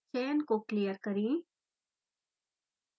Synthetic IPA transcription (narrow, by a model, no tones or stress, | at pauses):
t͡ʃejə̃nkokːlijəɾkəɾĩ